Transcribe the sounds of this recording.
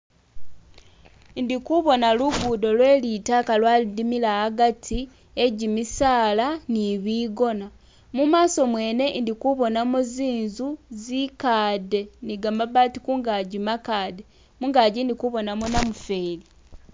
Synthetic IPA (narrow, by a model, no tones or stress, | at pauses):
ndikuβo̞naluɡudo̞lwe̞ːlitakalwalidimilaːɡatʰi | eɟimisaːlaniβiɡo̞na | mumaːso̞mwe̞ːne̞ndikuβo̞namoziːnzuzikaːde̞niɡamaβaːtikuːŋɡaɟimakaːde̞ | muŋɡaːɟindikuβo̞namonamufe̞ːli